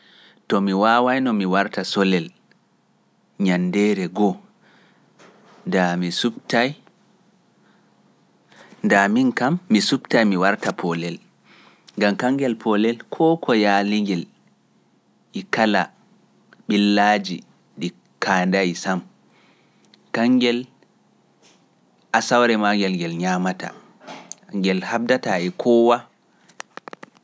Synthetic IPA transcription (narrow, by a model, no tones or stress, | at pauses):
tɔmiwaːwajnɔmiwaɾtasɔlɛl | ɲandɛːɾɛɡɔ | damisutaj | ndaminkamːisubtajmiwaɾtapʰɔlɛl | ŋɡamkaŋɡɛlpʰɔlɛlkʰɔːkʰɔjaːliŋɡɛl | ʔikala | ɓilːaːd͡ʒi | ɗi | kʰaːndajsam | kaŋɡɛl | ʔasawɾɛmaŋɡɛlɡɛlɲamata̰ | ŋɡɛlhab̚dataɛkʰɔːwa